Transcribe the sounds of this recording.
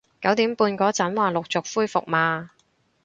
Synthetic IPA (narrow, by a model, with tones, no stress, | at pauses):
kɐ˨˥wt̪iː˨˥mpuː˧nkɔː˨˥t͡sɐ˨˥nwaː˨lʊ˨k̚t͡sʊ˨k̚fuː˥jfʊ˨k̚maː˧